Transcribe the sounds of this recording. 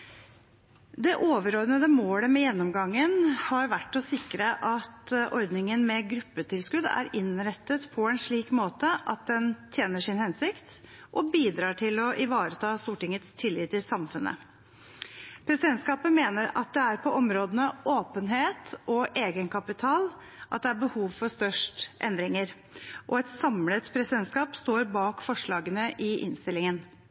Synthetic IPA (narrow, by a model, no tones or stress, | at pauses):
d̪ɛʔoːʋəɾɔɾnəd̪əmoːləmɛjɛnːɔmɡɑŋːənhɑɾʋæʈːɔsɪkɾəʔɑt̪ʔɔɾd̪nɪŋənmɛɡɾʉpːət̪ʰɪlskʉd̪æ̰ɾɪnɾɛt̪ːət̪pʰɔɛnʂɭiːkmoːt̪əʔɑ̰t̪̚d̪ɛnt̪ʰjeːnəʂɪnhɛnsɪkt̪ | ʔɔbiːd̪ɾɑːʈʰɪlɔʔɪʋɑːɾət̪ʰɑːst̪uːʈɪŋːət̪st̪ʰɪlːɪːt̪ʰːɪlsɑmfʉnːʔə̰ | pʰɾɛsɪd̪ɛnt̪skɑːpəmeːnəɾɑ̰t̪̚d̪ɛæɾpʰɔʔɔmɾoːd̪ənəʔoːpənɦeːt̪ɔʔeːɡənkʰɑpɪt̪ʰɑːl | ʔɑ̰t̪̚d̪ɛæɾbəhuːʋfɔst̪œʂʈʔɛ̰nd̪ɾɪŋəɾ | ʔɔɛt̪sɑmlət̪pʰɾɛsɪd̪ɛnt̪skɑːpst̪oːɾbɑːkfɔʂɭɑːɡənəʔɪʔɪ̰nst̪ɪlːɪŋən